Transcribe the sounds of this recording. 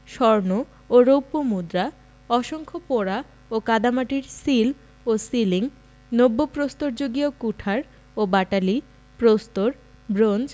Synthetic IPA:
ʃɔɾno | oɾowpomud̪ɾa | ɔʃoŋkʰopoɾa | okad̪amaʈiɾsil | osiliŋ | nobːopɾost̪oɾd͡ʑoɡiokuʈʰaɾ | obaʈali | pɾost̪oɾ | bɾond͡ʑ

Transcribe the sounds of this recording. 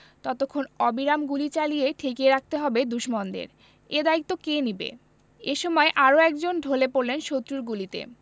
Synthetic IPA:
t̪ɔt̪okʰːonɔbiɾamɡulit͡ɕalijeʈʰikeɾak̚ʰt̪eɦɔbed̪uʃmɔnd̪ḛɾ | ed̪ait̪ːokenibḛ | eʃɔmɔeʔaɾoɛkd͡ʑonɖʱolepoɾlenʃot̪ːɾuɾɡulit̪ḛ

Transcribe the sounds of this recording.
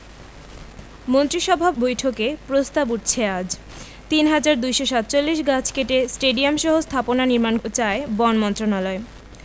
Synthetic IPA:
mont̪ɾiʃɔbʱabojʈʰokepɾost̪abuʈt͡ɕʰead͡ʑ | t̪inɦad͡ʑaɾd̪ujʃoʃat̪̚ːt͡ɕolːiʃɡat͡ɕʰkeʈesʈeɖiamʃɔɦost̪ʰaponaniɾmant͡ɕaebɔnmɔnt̪ɾonalɔe

